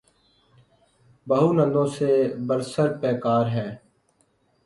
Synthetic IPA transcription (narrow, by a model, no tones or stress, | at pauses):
bəɦuːnə̃nd̪õːsebəɾsəɾpɛːkaːɾɦɛ̃ː